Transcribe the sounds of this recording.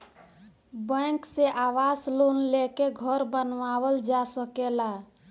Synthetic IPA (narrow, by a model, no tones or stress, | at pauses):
bə̃ŋkseʔawaslonlekeɡʱəɾbənʋawəld͡ʒasəkela